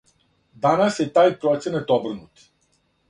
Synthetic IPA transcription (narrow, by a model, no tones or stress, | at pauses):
d̪anaset̪ajpɾɔt̪t͡s̪ʲənət̪ɔbɾɨnut̪